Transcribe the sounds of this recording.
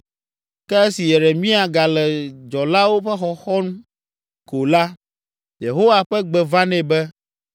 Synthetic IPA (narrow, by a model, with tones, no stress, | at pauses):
kɛ˦ɛ˦si˨jɛ˨ɖɛ˨mĩ˦a˨ɡa˨lɛ˨d͡ʒɔ˨la˦wo˦ɸɛ˦xɔ˨xɔ˦ñ˦ | ko˨la˦ | je˨ɦo˦wa˨ɸɛ˦ɡ͡bɛ˨vã˦nɛ̃˨bɛ˦